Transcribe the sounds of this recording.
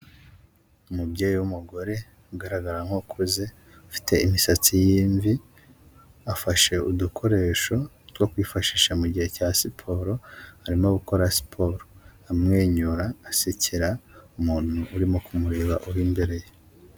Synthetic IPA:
umubɟe̞ːjiwumuɡo̞ɾe̞ | uɡaɾaɡaɾaŋ̥hokʰuze | ufi̥tʰe̞imisat͡sijiːɱvi | afaʃe̞udukʰo̞ɾe̞ːʃo̞ | two̞kwiːfaʃiːʃamuɟihe̞caːsipʰo̞ɾo̞haɾimo̞ɡuko̞ɾasi̥pʰo̞ɾoamŋeːɲuɾaːsiciɾaumuːn̥huʔːɾimo̞kumuɾeːβaʔuwiːmbe̞ɾe̞je

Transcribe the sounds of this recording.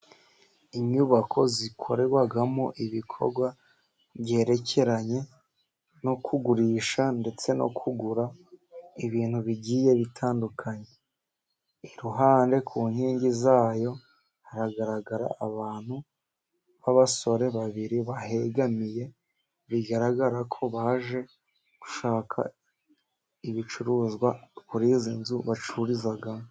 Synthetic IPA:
iɲɲuβakʰo̞zikʰo̞̰ɾeɡwaɡamo̰ʔiβikʰo̞̰ɾɡwa | βje̞ːɾe̞cʰe̞ɾaɲe̞ | no̞kʰuɡuɾiːʃande̞t͡se̞no̞̰kʰuɡuɾa | iβiːnhuβiɟiːje̞βitʰaːndukʰaɲe̞ | iɾuɦaːnde̞kʰuːnhiːɲɟizaːjo̞ | haɾaɡaɾaɡaɾa̰aβaːn̥hu | βaβaso̞ɾe̞βaβiɾiβahe̞ɡamije̞ | βiɡaɾaɡaɾakʰo̞βaʒe̞ | ɡ̥u̥ʃaːkʰa̰ | iβit͡ʃuɾuːzɡwakuɾizinzuβat͡ʃuɾizaɡamo

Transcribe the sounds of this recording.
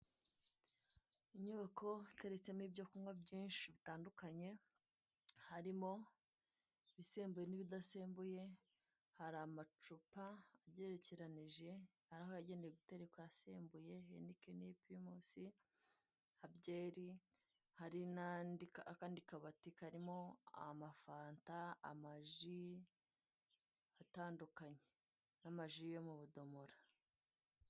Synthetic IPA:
iɲoβakʰo̞te̞ɾet͡se̞miːbɟokumɡwabɟiːnʃiβitaːndukaɲe̞ | haɾimo̞ | βiseːmbuje̞niβidaseːmbuje̞ | haɾamat͡ʃupaːbɟe̞ːɾeceɾaniʒe̞ | haɾahoaɟe̞ndeɾeɡute̞ɾekwajaseːmbuje̞ḛndikenepimosi | abɟe̞ːɾihaɾinandikakaːndikaβatikaɾimo̞amafaːntaa̰maʒi | ataːndukaɲe | namaʒijo̞muβudo̞moɾa

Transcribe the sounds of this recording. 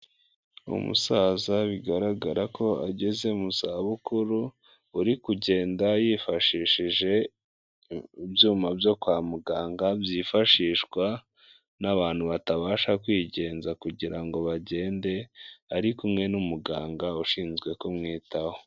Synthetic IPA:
ṵmṵsaːzaβiɡaɾaɡaɾakʰo̞a̰ɟe̞ze̞umusaβukuɾu | uɾikuɟe̞ːndajiːfaʃiʃiʒe̞ | ibjuːmabjo̞kwaːmuɡaːŋɡabjiːfaʃiːʃkwa | naβaːn̥huβataβaːʃakwiːɟe̞ːnzakuɟiɾaŋɡo̞βaɟe̞ːnde̞aɾikumŋe̞numuɡaːŋɡauʃiːnzɡwe̞komŋiːtaho

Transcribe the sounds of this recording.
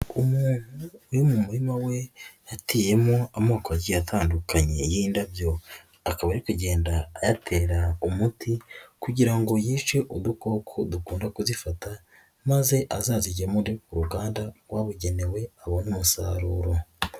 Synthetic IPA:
umuːn̥huːjumumuɾimawe̞jatiːje̞moamoːkoaɟijatʰaːndukaɲe̞jiːndabjo̞ | akaβajaɾikuɟe̞ːndajatʰe̞ɾaumutʰikuɟiɾaŋɡo̞jiːt͡ʃe̞ʔud̪uko̞ːkʰodukuːndakuzifata | maze̞ʔazaːziɟemundikuɾuɡaːndaɡwaːβuɟe̞ne̞we̞aβonumusaːɾuɾo̞

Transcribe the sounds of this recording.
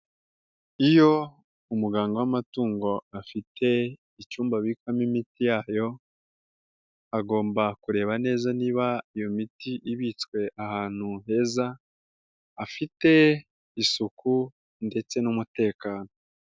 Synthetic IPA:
ijo̞ | umuɡaːŋɡo̞wamatuːŋɡo̞afitʰe̞ | it͡ʃuːmbaβikwamimitijaːjo̞ | aɡo̞ːmbakuɾe̞ːβane̞ːzaniːβaijo̞mitiʔiβit͡skwe̞ʔahaːn̥huɦe̞zaː | fite̞ | isukʰu | nde̞t͡se̞numute̞ːkaːno

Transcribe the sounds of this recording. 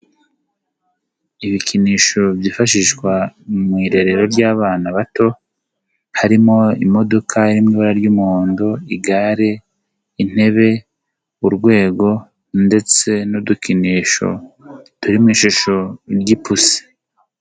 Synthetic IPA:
iβikiniːʃo̞bjiːfaʃiʃkwamŋiːɾe̞ɾe̞ɾo̞ɾɟaːβaːnaβato̞ | haɾimo̞ḭmo̞do̞kʰaiɾimŋiːβaɾaɾɟumuoːndoiɡaɾe̞ | in̥e̞βe̞ | uɾɡwe̞ːɡo̞ | nde̞t͡se̞nudukiniʃo̞̰tuɾimŋiːʃuʃo̞ɾɟipusi̥

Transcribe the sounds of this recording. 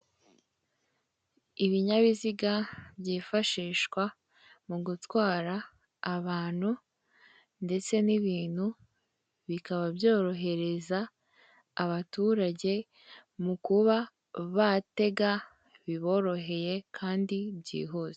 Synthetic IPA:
iβiɲaβiziɡabjiːfaʃiːʃwa | muɡutwaːɾaː | βaːn̥hu | nde̞t͡se̞niβiːn̥hu | βikaβabjo̞ːɾo̞ɦe̞ɾe̞zaː | βatuːɾaɟe̞ | mukuβa | βate̞ɡa | βiβo̞ːɾo̞ɦe̞je̞kʰaːndibɟḭːɦoːze

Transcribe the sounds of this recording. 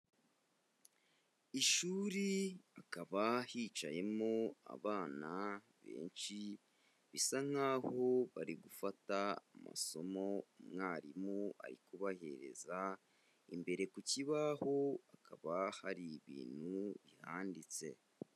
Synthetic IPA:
iʃuːɾiakaβahit͡ʃaje̞mo̞a̰βaːna | βe̞̰ːnʃi | βisaŋ̥haːho̞βaɾiɡufataːma̰so̞mo̞umŋaːɾimua̰ɾikuβahe̞̰ɾe̞̰za | imbe̞ɾe̞kuciβaho̞akʰaβahaɾiβḭːn̥huβihaːndit͡se̞

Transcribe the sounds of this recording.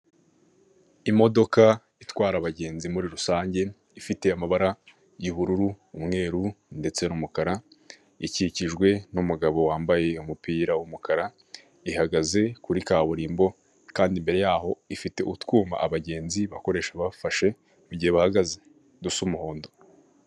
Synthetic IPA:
imo̞do̞ka | itwaːɾaβaɟe̞ːnzimuɾiɾusaːɲɟe̞ | ifite̞amaβaɾa | jiβuɾuɾuːmŋe̞ːɾunde̞t͡se̞numukaɾa | iciciʒɡwe̞numuɡaβo̞waːmbaje̞umupiːɾawumukaɾa | ihaɡaze̞kuɾikaːβuɾiːmbo̞ | kaːndimbe̞ɾe̞jaːɦo̞ifite̞ʔutkuːma̰ʔaβaɟe̞ːnziβako̞ɾe̞ːʃaβafaʃe̞ | muɟiheβahaɡaze̞ | dusumuho̞ːndo̞

